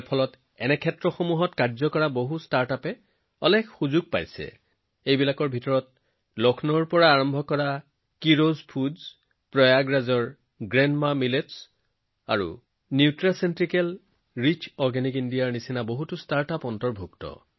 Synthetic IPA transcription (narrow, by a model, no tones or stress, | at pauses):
pʰɔlɔt | ɛnɛkʰɛtɹɔxomuɦɔtkaɹzɔkɔɹaboɦustaɹtapɛ | ɔlɛkʰxuzuɡ̚pa̰jsɛ̰ | ejbilakɔɹbʱitɔɹɔt | lɔkʰnɔɹpɔɹaːɹɔmbʱɔkɔɹa | kiɹozpʰudz | pɹɔjaɡɹazɔɹ | ɡɹɛnmamilets | a̰ɹṵ | niʊtɹasentɹikɛl | ɹit͡ʃɔɹɡɛnikindijaɹnisinaboɦutustaɹtapɔntɔɹbʱuktɔ̰